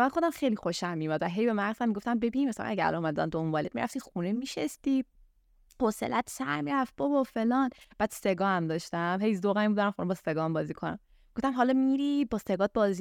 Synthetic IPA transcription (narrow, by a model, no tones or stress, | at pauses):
mænxo̞d̪æmxejlixoʃæmːimæd̪væɦe̞jbe̞mæɾzæmːiɡoft̪æmbe̞binmesæ̰l̰næɟæ̰ɾæ̰lɒomæd̪æ̰nd̪ombɒːled̥̪miɾʔæ̰ft̪ixunemiʃest̪i | hosḛlʔæt̪sæ̰ɾmiɾæf̚b̥ɒbɒfelɒːnb̥æːd̪̥seɡɒːhæmd̪ɒʃt̪æmhe̞jzoɣæimbud̪ɒɾæmχod̪ɔmbɒseɡɒːhæmbɒːziːkʰonæ̰m | ɡoft̪æmɦɒlɒmiɾibɒseɡɒːt̪̚bɒːzi